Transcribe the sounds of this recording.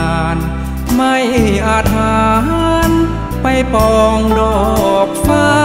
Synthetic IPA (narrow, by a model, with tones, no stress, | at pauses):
aː˧˩n | ma˧˩jʔaː˧˩t̪̚aː˧ɦa˧˥n | pa˧jpɔː˧ŋdɔː˧˩k̚faː˧˥˧